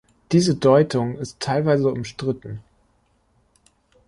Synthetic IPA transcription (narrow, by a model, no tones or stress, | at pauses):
d̥iːzədɔʏtʊŋɪstʰːaɪlvaɪzəʊmʃtʁ̥ɪtn̩